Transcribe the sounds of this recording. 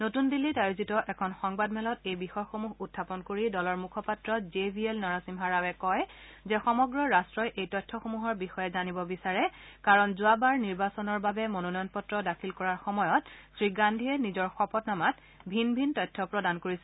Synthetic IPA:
notundilːitajozitɔʔɛkʰɔnxɔŋbadmɛlɔtejbixɔjxomuɦutʰːapɔnkoɹidɔlɔɹmukʰɔpatɹɔzebʱielnɔɹasimɦaɹawɛkɔjzɛxɔmɔɡɹɔɹastɹɔjʔejtɔjtʰːɔxomuɦɔɹbixɔjɛzanibɔbisaɹɛkaɹɔnzʊabaɹniɹbasɔnɔɹbabɛmononɔjɔnpɔtɹɔdakʰilkɔɹaɹxɔmɔjɔtsɹiɡandʱiɛnizɔɹxɔpɔtnamat̚ | bʱinbʱintɔjtʰːɔpɹɔdankoɹisɛ

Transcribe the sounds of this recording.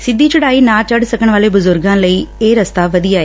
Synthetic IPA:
sɪd̪ːiːt͡ʃʊɽaːiːnãːt͡ʃəɖsəkəɳ̃ʋaːleːbʊzʊɾɡãːləiːeːɾəst̪aːʋəd̪ijaːeː

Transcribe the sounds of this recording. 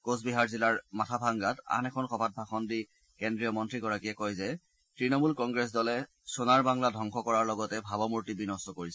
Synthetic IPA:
kosbiɦaɹzilaɹmatʰabʱaŋɡata̰nɛkʰɔnxɔbʱat̚bʱaxɔndi | kendɹijɔmɔntɹiɡɔɹakiɛkɔjzɛ | tɹinɔmulkɔŋɡɹɛs̬dɔlɛ | sonaɹbaŋladʱɔŋxɔkɔɹaɹlɔɡɔtɛbʱabɔmuɹtibinɔstɔkoɹisɛ

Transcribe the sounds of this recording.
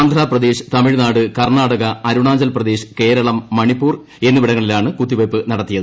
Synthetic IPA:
nd̪ʱraːprɐd̪e̞ːʂɨ̥t̪ɐmiɻnaːɽɨkɐrɳaːɽɐɣɐɐɾuɳaːɲd͡ʑɐlprɐd̪e̞ːʂɨ̥ke̞ːɾɐɭɐmːɐɳipːuːr | e̞nːuʋiɽɐŋːɐɭilaːɳɨkut̪ːiʋɐpːɨnɐɽɐt̪ːijɐðɨ

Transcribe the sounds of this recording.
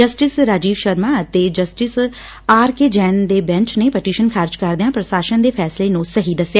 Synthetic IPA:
d͡ʒəsʈɪsɾaːd͡ʒiːʋʃəɾmaːət̪eːd͡ʒəsʈɪs | aːɾkeːd͡ʒɛːnd̪eːbɛ̃ɲt͡ʃneːpəʈiːʃənkʰaːɾd͡ʒkəɾd̪eãːpɾəsaːʃənd̪eːpʰɛːsleːnũsəɦiːd̪əsejaː

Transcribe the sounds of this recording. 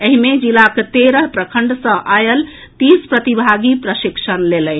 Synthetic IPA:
əɦimed͡ʒilakt̪eɾəɦpɾəkʰəɳɖsə̃ʔajəl | t̪ispɾət̪ibʱaɡipɾəʃiksənlelən

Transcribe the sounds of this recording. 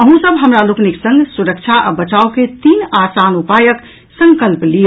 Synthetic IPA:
əɦũsəbɦəmɾalukniksə̃ŋɡsuɾəkt͡ʃʰaʔa̰bət͡ʃaoket̪iːnasanupajək | sə̃ŋkəlplijo

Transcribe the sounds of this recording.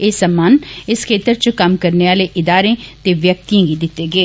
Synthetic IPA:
eːsəmːaːnɪskʰeːt̪əɾt͡ʃəkəmkəɾneːaːleːʔɪd̪aːɾẽːt̪eːʋjək̚t̪iãːɡiːd̪ɪt̪ːeːɡeː

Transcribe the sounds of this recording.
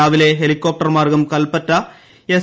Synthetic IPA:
aːʋɪleːɦɛlɪkːoːp̚ʈɐɾmaːrɡɐmkɐlpɐʈːɐ | ɛs

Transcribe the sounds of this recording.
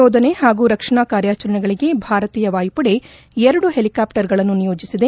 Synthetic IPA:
oːd̪ʱɐne̞haːɡuːɾɐkʂɐɳaːkaːɾjaːt͡ʃɐɾɐɳɛɡɐɭiɡe̞bʱaːɾɐt̪iːjɐʋaːjpɐɽe̞ | eɾɐɽuɦelikaːpʈɐɾɡɐɭɐnːunijoːd͡ʒisid̪e

